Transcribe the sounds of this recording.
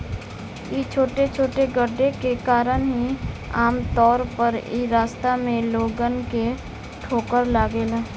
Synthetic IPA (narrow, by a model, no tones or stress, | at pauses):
it͡ʃʰoːʈet͡ʃʰoːʈeɡəɾɖekekaːɾənɦi | aːmt̪ɔːɾpəɾḭɾaːst̪amẽloːɡənke | ʈʰoːkəɾlaːɡeːlaː